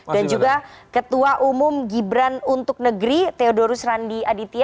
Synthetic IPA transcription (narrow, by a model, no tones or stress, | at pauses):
dand͡ʒuɡakət̪uaʔumʊmɡibɾanunt̪ʊk̚nəɡɾit̪eodoɾusɾandiadit̪ia